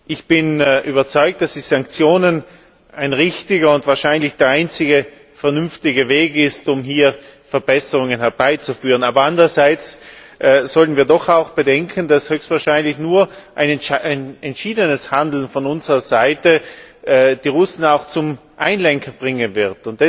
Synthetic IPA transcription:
ʔɪçb̥ɪnʔyːbɐt͡sɔʏk̚td̥asd̥iːz̥aŋkt͡sjoːnən | ʔaɪnʁɪçtɪɡɐʊntv̥aːɐʃaɪnlɪçd̥eːɐaɪnt͡sɪɡə | fɛɐnʏmftɪɡəveːɡɪstʊmɦiːɐfɛɐbɛsəʁʊŋənhɛɐbaɪt͡sufyːʁənaːbɐandʁɐzaɪt͡sʔz̥ɔltən̩viːɐdɔχaʊxb̥ədɛŋkʰən̩d̥ashøːçstvaːɐʃaɪnlɪçnuːɐʔaɪnaɪnɛntʃiːdənəshandl̩n̩fɔnʊnzəʁɐzaɪtəɛd̥iːʁʊsn̩aʊxt͡sʊmʔaɪnlɛŋkʰɐbʁɪŋənvɪɐtʊnt̚d̥ɛ

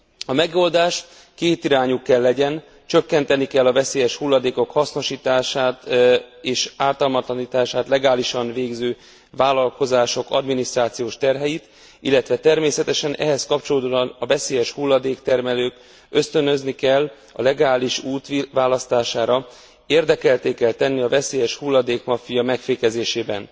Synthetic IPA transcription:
ɒmɛɡo̞ld̪aːʃ | keːt̪iɾaːɲukːɛlːɛɟɛn | t͡ʃø̞kːɛn̪t̪ɛnikɛlːɒvɛseːjɛʃhulːɒd̪eːko̞khɒsno̞ʃiːt̪aːʃaːt̪eːʃaːrt̪ɒlmɒt̪lɒniːt̪aːʃaːt̪lɛɡaːliʃɒnveːɡzøː | vaːlːɒlko̞zaːʃo̞kɒ̰d̪minist̪raːt̪sijoːʃt̪ɛrɦɛjit̪ | ilːɛt̪ʋɛt̪ɛrmeːsɛt̪ɛʃɛnʔɛ̰ɦɛskɒp̚t͡ʃo̞loːd̪nɒvɛseːjɛʃhulːɒd̪eːkt̪ɛrmɛløːk | ø̞st̪ønø̞znikɛlː | ɒ̰lɛɡaːliʃuːt̪ʋvaːlɒst̪aːʃaːɾɒ | eːrd̪ɛkɛlt̪eːkɛlt̪ɛnːiɒvɛseːjɛʃhulːɒd̪eːkmɒfijɒmɛkfeːkɛzeːʃeːbɛn

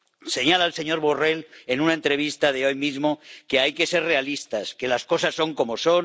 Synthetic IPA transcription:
se̞ɲalaelse̞ɲo̞ɾβore̞le̞nunaent̪ɾe̞β̞ist̪aðe̞o̞jmizmo̞ke̞ajke̞se̞ɾre̞alist̪aske̞lasko̞sasːo̞ŋko̞mo̞so̞n

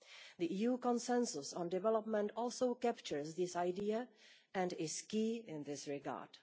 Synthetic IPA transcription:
ðiʔiːjuːkɔ̃nsɛ̃nsʊsɔ̃ndɪvɛlɔpmɛ̃ntɔlˠsoʊkæpt͡ʃəɹsðɪsajdiaʔɛ̃ndɪskiːɪ̃nðɪsɹɪɡa̰ːɹd̥

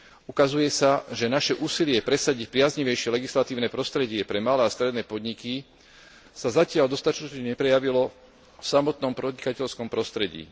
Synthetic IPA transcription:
ukazujɛsaʒɛnaʃɛʔuːsilɪɛpɾɛsaɟic̚pɾɪazɲiʋɛjʃɪɛlɛɡislat̪iːʊnɛːpɾɔst̪ɾɛɟɪɛpɾɛmalɛːast̪ɾɛd̪nɛːpɔd̪ɲiki | sazacɪald̪ɔst̪at͡ʃ̪ɔt͡ʃɲɛɲɛpɾɛjaʋilɔ | fsamɔt̪nɔmpɾɔdɲikacɛʎskɔmpɾɔst̪ɾɛɟḭː

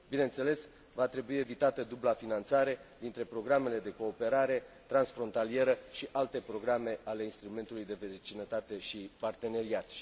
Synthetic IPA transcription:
binent̪se̞le̞s | vat̪ɾe̞buie̞vit̪at̪əd̪ublafinant̪saɾe̞d̪int̪ɾe̞pɾo̞ɡɾame̞le̞d̪e̞ko̞ːpe̞ɾaɾe̞t̪ɾansfɾo̞nt̪alie̞ɾəʃiʔalt̪e̞pɾo̞ɡɾame̞ale̞inst̪ɾume̞nt̪ulujd̪e̞vet͡ʃinət̪at̪e̞ʃipart̪e̞ne̞ɾiat̪

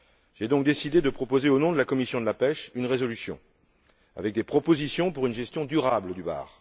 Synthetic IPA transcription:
ʒ̥ɛd̪ɔ̃k̚d̪esid̪ed̪əpχɔpozeonɔ̃d̪əlakɔmisjɔ̃d̪əlapɛʃynʁezɔlysjɔ̰̃ | a̰vɛk̚d̪epχɔpozisjɔ̃puʁynʒɛst̪jɔ̃d̪yʁabləd̪yba̰ːʁ

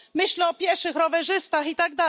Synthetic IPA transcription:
mɘɕlɛɔpʲjɛɾfʂɘxɾɔvɛʐɘst̪axit̪aɡ̚d̪a

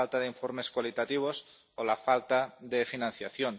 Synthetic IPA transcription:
alt̪aðeiɱfoɾme̞skwalit̪at̪iβ̞os | olafalt̪aðefinãnθjaθjon

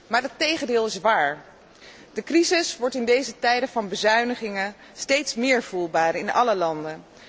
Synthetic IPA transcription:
maːɹətejχəndɪːlˠɪsʋaːɹ | d̥əkrizɪsʋɔɹtɪndejzətɛjdəvɑnbəzœɥnəχɪŋən | stejtsmɪːɹv̥ulˠbaːɾɪnɑ̰ləlɑndə

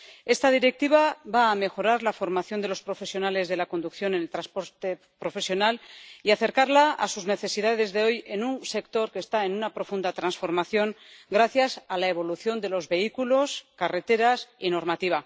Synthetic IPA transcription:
e̞st̪aðiɾe̞k̚t̪iβ̞aβaːme̞xo̞ɾaɾlafo̞ɾmaθjo̞nd̪e̞lo̞spɾo̞fe̞sjo̞nale̞zðe̞lako̞nd̪ukθjo̞nenelt̪ɾaspo̞ɾt̪e | pɾo̞fe̞sjo̞naliaθe̞ɾkaɾlaa̰suzne̞θe̞siðaðe̞zðe̞o̞je̞nunse̞kt̪o̞ɾke̞ːst̪ae̞nunapɾo̞fund̪at̪ɾansfo̞ɾmaθjo̞ŋ | ɡɾaθjasalae̞β̞o̞luθjo̞nd̪e̞lo̞zβe̞ikulo̞skare̞t̪e̞ɾasino̞ɾmat̪iβ̞a

